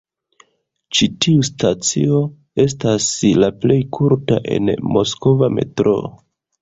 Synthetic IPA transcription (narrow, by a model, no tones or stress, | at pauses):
t͡ʃitʰiustʰat͡sḭo̞ | e̞s̬taslaple̞jkʰuɾta̰ʔe̞̰nmo̞sko̞vame̞̰tɾo̞̰